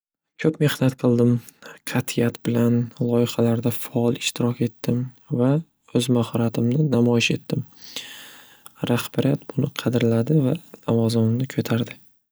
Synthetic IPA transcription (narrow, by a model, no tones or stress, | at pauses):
kʲʰɵpme̞hnat̪qʰɨlˠd̪ɪmqʰɑt̪ʰɪjat̪bɪlanlˠɒɪχɑlaɾd̪afaɒlˠɪʃt̪ɪɾɒkʲe̞t̪ːɪm | va | ɵzmahɒɾat̪ʰɪmnɪnamɒjɪʃe̞t̪ːɪm | ɾahb̥aɾijat̪̚bʊnɪqʰɑd̪ɪɾlad̪ɪvanavɒzɪmɪmnɪkʲʰot̪ʰaɾd̪ɪ